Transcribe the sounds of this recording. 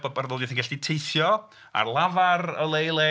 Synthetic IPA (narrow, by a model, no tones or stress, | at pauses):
bbarðɔːdiθinɡɛɬd̥itʰejθjɔ | a̰rlˠavarəlˠejlˠɛ